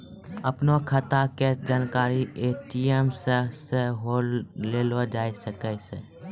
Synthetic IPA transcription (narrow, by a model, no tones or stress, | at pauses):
əpnokʰət̪aked͡ʒaːnkaːɾiʔeːʈiemsəseɦoːeːlod͡ʒaːisəkəse